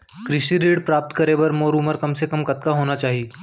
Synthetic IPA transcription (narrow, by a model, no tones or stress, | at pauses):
kɾɪʃiɾiːɽpɾaːp̚t̪kɐɾebɐɾmoːɾuːməɾkɐmsekɐmkɐt̪̚kaɦoːnat͡ʃaːɦie